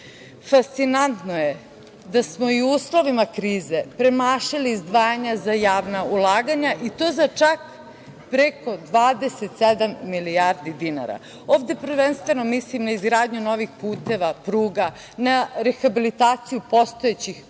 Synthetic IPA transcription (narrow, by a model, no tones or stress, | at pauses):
fast̪sinant̪noje | d̪asmo̞iuːslo̞ʋimakɾiːze̞pɾemaːʃiliːzd̪ʋaːjaɲazajaːʋnaulˠaːɡaɲaʔit̪o̞ːzat͡ʃak | pɾeko̞d̪ʋaːd̪e̞set̪sed̪amːiliaɾd̪id̪ina̰ɾa̰ | o̞ːvd̪e̞pɾ̩ʋenst̪ʋe̞nomislimnaizɡɾaːd̪ɲuno̞ʋixpuːt̪e̞ʋapɾuːɡa | naɾexabilit̪aːt̪sijupo̞st̪o̞et͡ɕix